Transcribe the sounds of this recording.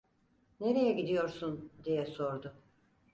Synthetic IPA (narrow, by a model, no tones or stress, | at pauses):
ne̞ɾe̞jɛɟid̪ijo̞ɾsund̪ijɛso̞ɾd̪ʊ